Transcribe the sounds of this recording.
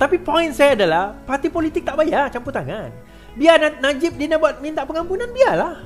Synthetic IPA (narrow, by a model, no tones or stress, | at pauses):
t̪apipɔinsajaːdalahpart̪ipolit̪ɪk̚t̪aʔbajart͡ʃamput̪aŋan | biananad͡ʒɪp̚dinabuat̪̚mĩnt̪aʔpəŋampunãnbialah